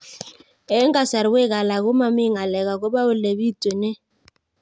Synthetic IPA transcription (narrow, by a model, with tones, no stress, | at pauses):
ɛ˦ŋɡa˦sa˨ɾwe˦ɣa˨la˨ɣʊ˦ma˨mi˦ŋa˨lɛ˨ɣa˨kɔ˦βa˦ʊ˦˨le˨βi˦tʼe˨nɛ˦